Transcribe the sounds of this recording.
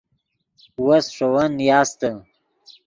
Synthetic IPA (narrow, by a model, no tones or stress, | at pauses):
wasʂowanjɑːst̪ə